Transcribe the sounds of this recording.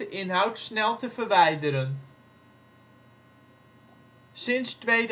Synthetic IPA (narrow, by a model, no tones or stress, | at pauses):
əʔɪnɦawtsnɛlˠtəfərʋɛjdəɾən | sɪnstʋejd